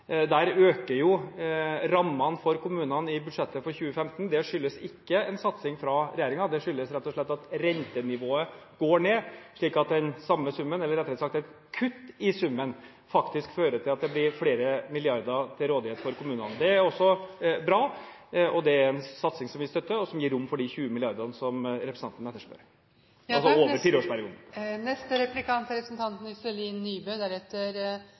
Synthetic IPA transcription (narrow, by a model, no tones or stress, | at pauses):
d̪æːɾøːkəɾjʊ | ɾɑmːɑnfɔɾkʊmʉːnɑnɪbʉd̪ʂɛt̪ːəfɔɾçʉːəfɛmt̪n̩d̪ɛʂʏlːəsɪkːəɛnsɑt̪sɪŋfɾɑɾɛjeːɾɪŋɑd̪ɛʂʏlːəsɾɛt̪ːɔʂɭɛt̪ːɑt̪ɾɛnt̪ənɪʋoːəɡ̥oːɳeːʂɭiːkɑt̪̚d̪ɛnsɑmːəsʉmːənɛlːəɾɛt̪ʰːlɛt̪sɑkt̪æt̪ | kʰʉt̪ːɪsʉmːən | fɑkt̪ɪskføːɾət̪ʰɪlɑt̪̚d̪ɛblɪɾfɽeːɾəmɪlɪɑɾd̪əɾt̪ʰɪlɾoːd̪ɪheːt̪fɔɾkʊmʉːnənd̪ɛæɾɔsːɔbɾɑː | ʔɔd̪ɛæɾɛnsɑt̪sɪŋsɔmʋɪst̪œt̪ːəɔsɔmjiːɾːʊmːfɔɖɪçʉːəmɪlɪɑɾd̪əɾnəsɔmɾɛpɾəsnɑnt̪nɛt̪ːəʂpø̰ːɾ | ɑlsɔoːʋəɾfiːɾəoːʂpæɾɪuːd̪n̩nɛst̪əɾɛplɪkʰɑnt̪ɾɛpɾsn̩t̪ʰɑnt̪n̩ʏsɛliːnːyːbœd̪æɾɛt̪ːəɾ